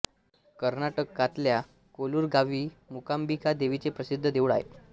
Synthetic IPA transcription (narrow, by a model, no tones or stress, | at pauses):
kəɾnaʈəkːat̪lja | koluːɾɡaʋiːmukambikad̪eʋit͡sepɾəsid̪ʱːəd̪eʋɭa̰ɦḛ